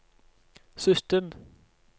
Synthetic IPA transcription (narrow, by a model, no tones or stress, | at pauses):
sʏst̪əm